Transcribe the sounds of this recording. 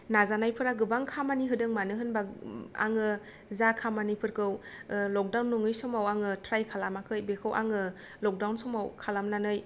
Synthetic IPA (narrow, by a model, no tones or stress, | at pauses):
nazanajpʰɯɾaɡɯbaŋkʰamaniɦɯdɯŋmanɯɦɯnbaa̰ŋɯ | zakʰamanipʰɯɾkʰɯwlɔk̚dawnːuŋɯjsɔmawaŋɯtʰɾajkʰalamakʰɯjbekʰɯwʔa̰ŋɯ | lɔk̚dawnsɔmawkʰalamnanɯj